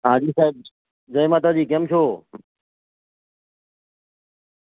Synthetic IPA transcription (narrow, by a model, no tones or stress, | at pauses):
ɦãːd͡ʑiːsaːeb̚ | d͡ʒəjmãːt̪ad͡ʑiːkemt͡ʃʰoː